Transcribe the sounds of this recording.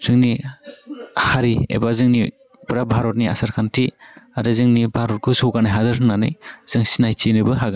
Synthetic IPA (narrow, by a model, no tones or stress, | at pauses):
z̥ɯŋni | haɾiḛbazɯŋni | pɾabʱaɾɔt̚nia̰saɾkʰantʰiaɾɯzɯŋnibʱaɾɔt̚kʰɯsɔɡanajɦazɯɾɯnanɯ̰jz̥ɯŋsinajt͡ʃinɯbɯɦaɡa